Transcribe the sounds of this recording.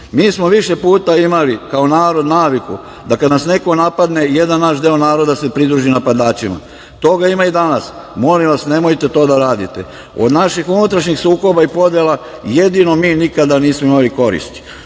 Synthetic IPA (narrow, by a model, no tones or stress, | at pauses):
miːsmo̞ʋiʃe̞puːt̪aimalikao̞naːɾo̞d̪naːʋikṵ | d̪akad̪nasne̞ko̞napad̪ne̞jed̪annaːʃd̪eonaːɾo̞d̪ase̞pɾid̪ɾuːʒinapad̪aːt͡ʃima̰ | t̪o̞ɡaimaid̪anas | mo̞liʋasne̞mo̞jt̪e̞t̪o̞ːd̪aɾaːd̪it̪e̞̰ | o̞̰d̪naʃixunut̪ɾaʃɲixsuːko̞baipo̞d̪jela | je̞d̪ino̞miːnikad̪aniːsmoimaliko̞ɾḭst̪i̥